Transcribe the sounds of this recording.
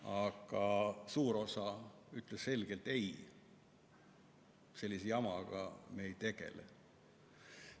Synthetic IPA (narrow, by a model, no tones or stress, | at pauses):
ɑɡ̥ɑsuːɾo̞sɑyt̪ˑlesse̞lɡ̥e̞lt̪e̞j | se̞lʲːisejɑmɑɡ̥ɑ̰me̞jt̪e̞ɡ̥e̞̰lḛ